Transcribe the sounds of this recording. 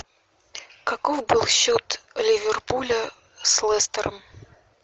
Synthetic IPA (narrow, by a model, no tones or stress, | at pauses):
kɐkofbɨlˠɕːot̪lʲɪvʲɪrpulʲə | slˠɛst̪əɾəm